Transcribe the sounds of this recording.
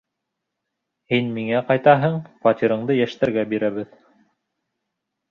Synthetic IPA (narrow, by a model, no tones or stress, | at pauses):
hinmiŋæqɑjt̪ɑɦɤɴfɑt̪ʲiɾɤ̆ɴd̪ɤjæʃt̪æɾɡæbiɾæβɘð